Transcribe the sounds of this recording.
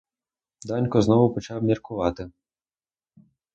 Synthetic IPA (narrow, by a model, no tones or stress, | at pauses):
d̪anʲkɔznɔwʊpɔt͡ʃawmʲɐrkʊvat̪ɪ